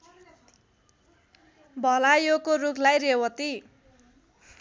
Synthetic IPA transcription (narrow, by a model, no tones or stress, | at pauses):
bʱʌlajokorukʰlajrewʌt̪i